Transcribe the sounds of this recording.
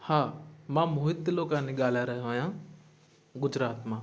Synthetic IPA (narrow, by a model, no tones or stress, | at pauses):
hãːmãːmoːɦɪt̪ːloːkãːnĩɠaːlaːɾɐɦʋãːjãː | ɡʊd͡ʒɾaːt̪mãː